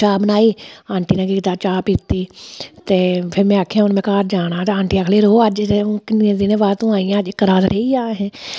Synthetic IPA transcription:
t͡ʃaːbənaːiːãːɳʈiːnãːkiːkɪt̪aːt͡ʃaːpit̪ːiːt̪eːpʰɪɾmɛ̃ːaːkʰːjãːʊnmɛ̃ːkaːɾd͡ʒaːɽaːt̪eãːɳʈiːakʰleːɾoːəd͡ʒekɪnẽːd̪ɪnẽːʋaːt̪õːaːijãːəd͡ʒɪkːəɾaːd̪ɾʔeːiːaːɦɛ̃ː

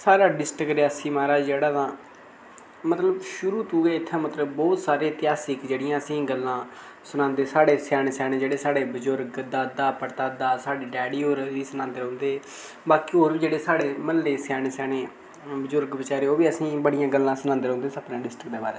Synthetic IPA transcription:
saːɾaːɖɪsʈəkɾeːasĩːmaːɾaːd͡ʒeːɽaːt̪ãː | mət̪ləbʃʊɾuːt̪uːɡɛːɪt̪ʰːãːmət̪ləbbɔːt̪saːɾeːt̪ɪjaːsɪkd͡ʒeːɽɪjãːəsĩːɡəlːãː | sʊnãːnd̪eːsaːɽeːsjaːneːsɛːɽeːd͡ʒeːɽeːsaːɽeːbəzʊɾɡd̪aːd̪aːpəɾt̪aːd̪aːsaːɖiːɖɛːɽiːoːɾiːsʊnãːnd̪eːɦõːnd̪eː | baːkiːɦoːɾbiːd͡ʒeːɽeːsaːɽeːməlːeːsaːneːsɛːneː | bəzʊɾɡbət͡ʃaːɾeːoːʋiːəsĩːbəɽɪjãːɡəlːãːsʊnãːnd̪eːɾõːnd̪eːsəpnãːɖɪsʈɾək̚d̪eːbaːɾeː

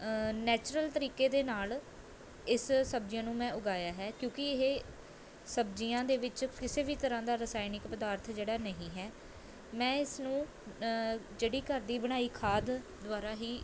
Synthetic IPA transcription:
nɛːt͡ʃɾəlt̪əɾiːkeːd̪eːnaːl | ɪssəb̚d͡ʒjãːnũːmɛ̃ːʊɡaːjaːɦɛːkjõːkɪɪɦeː | səbd͡ʒɪjãːd̪eːʋɪt͡ʃkɪseːbiːt̪əɾãːd̪aːɾəsaːinɪkpəd̪aːɾt̪ʰd͡ʒeːɽaːnəɦĩːɦɛː | mɛ̃ːɪsnũː | d͡ʒeːɽiːkəɾd̪iːbəɽ̃aːiːkʰaːd̪ | d̪ʋaːɾaːɦiː

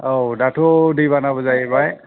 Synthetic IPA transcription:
owdatʰodibanabɔzajɛbaj

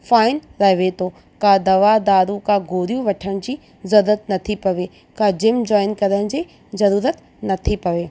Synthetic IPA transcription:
faːɪnɾɐɦɪʋet̪ʰo | kãd̪ɐʋad̪aːɾũkãɡʱoːɾijũʋɐʈʰəɽ̃d͡ʑiː | zɐɾuːɾət̪nɐt̪ʰipɐʋe | kad͡ʑɪmd͡ʑɔːɪnkɐɾəɽ̃d͡ʑiː | zɐɾuːɾət̪ | nɐt̪ʰipɐʋeː

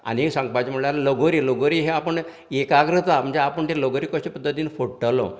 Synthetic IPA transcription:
a̰nisãŋɡ̚pat͡ɕim̤əɳlaɾloɡoɾiːloɡoɾiɦeapəɳ | ekaɡɾət̪am̤əɳd͡zeapəɳt̪eloɡoɾikɔɕipəd̪ʱːət̪̬iːnfoɽʈəlɔ̰̃

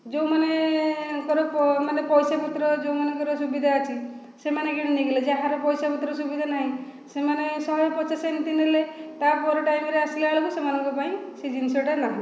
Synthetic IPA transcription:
d͡ʒowmane | kɔɾɔpmanepɔjsaput̪ɾɔd͡ʒowmanekɔɾɔsubid̪ʱaːt͡ʃʰi | semaneɡiɽ̃iniɡeled͡ʒaɦaɾɔpɔjsaput̪ɾɔsubid̪ʱanaɦĩ | semanesɔɦjpɔt͡ʃasanit̪inelet̪apɔɾɔʈajmeɾeasilaɭɔkusemanɔŋkɔpaĩsid͡ʒinsoʈanaɦĩ

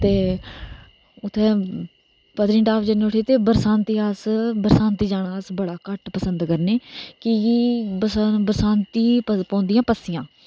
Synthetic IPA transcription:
t̪eː | ʊt̪ʰːeː | pəd̪ɾĩːʈaːpʰd͡ʒəneːʊʈʰiːt̪eːbəɾsãːnt̪iːasbəɾsãːnt̪iːd͡ʒaːɽaːsbəɽaːkəʈpəsənd̪kəɾneːkɪibəsbəɾsaːnt̪iːəpɔ̃ːnd̪ɪjãːpəsɪjãː

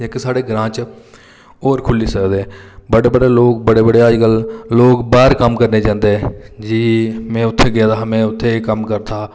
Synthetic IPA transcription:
d͡ʒeksaːɽeːɡɾãːt͡ʃ | oːɾkʰʊliːsəkd̪eːbəɽeːbəɽeːloːk̚bəɽeːbəɽeːaːd͡ʒɡəlloːkbaːɾkəmkəɾneːd͡ʒãːnd̪ed͡ʒiːmɛ̃ːʊt̪ʰːeːɡɪaːd̪aːmẽːʊt̪ʰːeːkəmkəɾt̪ʰaː

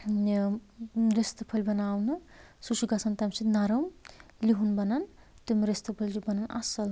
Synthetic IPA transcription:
ɾest̪ɐpʰɐlʲbɐnawnɨ | sut͡ʃuɡɐsɐnt̪ɐmsit̪naɾɐmliɦunbɐnɐn | t̪umɾest̪ɨpʰɐlʲd͡ʒubɐnɐnʔɐ̰sɐl

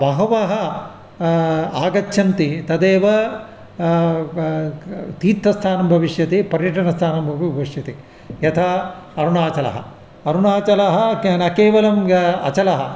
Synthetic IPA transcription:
ʋɐɦɐʋɐɦɐ | aːɡɐtːʃʰɐnt̪it̪ɐd̪eːʋɐ | t̪iːt̪ːɐst̪ʰaːnɐmbʱɐʋiʂjɐt̪ipɐɾjɐʈɐnɐst̪ʰaːnɐmbʱɐʋbʱɐʋiʂjɐt̪i | jɐt̪ʰaɐɾuɳaːt͡ʃɐlɐ̰ɦɐ̰ | ɐɾuɳaːt͡ʃɐlɐɦɐnɐkeːʋɐlɐmɐ̰t͡ʃɐlɐɦɐ

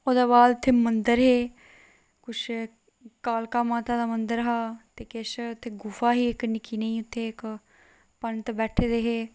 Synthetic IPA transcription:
oːd̪aːβaːlt̪ʰːeːmənd̪əɾɦeː | kʊt͡ʃʰ | kaːlkaːmaːt̪ãːd̪aːmənd̪əɾɦaːt̪eːkeʃʊt̪ʰːeːɡʊfaːɦiːɪknɪkiːnẽĩːʊt̪ʰːeːɪk | pənt̪ebɛːʈʰeːd̪eːɦeː

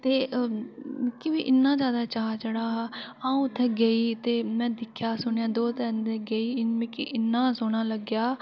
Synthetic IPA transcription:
t̪eː | kɪʋiːʔɪnːãːzjaːd̪aːt͡ʃaːɦt͡ʃəɽaːɦãːũːt̪ʰːɛːɡəiːt̪eːmɛ̃ːd̪ɪkʰːjaːsʊɳːãːd̪oːt̪ɛːnd̪eɡəiːɪnmẽkɪ̰ʔɪnːaːsʊnaːləɡjaː

